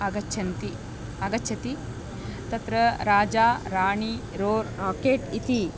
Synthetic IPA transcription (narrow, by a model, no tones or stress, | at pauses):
ɐɡɐtːʰɐnt̪i | ɐɡɐtːʃʰɐt̪i | t̪ɐt̪ɾɐɾaːd͡ʒaːɾaːɳi | ɾoːɾakeːʈit̪i